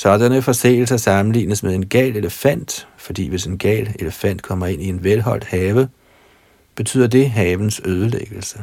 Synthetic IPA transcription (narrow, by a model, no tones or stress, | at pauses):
sɒd̥ɐnəfɒ̽sḛːl̩sɐsɑ̈mn̩lḭːnəsmeðˠe̝nɡ̥ɛ̰ːle̝ləfæn̰d̥fɒ̽d̥ḭːʋe̝se̝nɡ̥ɛ̰ːle̝ləfæn̰d̥̚kʰɒ̽m̰ɐe̝nie̝nʋelɦɒ̽l̰d̥hɛːʋə | b̥e̝t͡sʰy̰ð̰ˠɐd̥e̝ɦɛːʋn̩søːð̞ˠəleɡ̥l̩sə